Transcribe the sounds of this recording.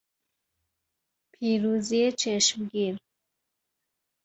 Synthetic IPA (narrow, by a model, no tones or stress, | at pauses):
pʰiɾuziet͡ʃʰeʃmɡiːɾ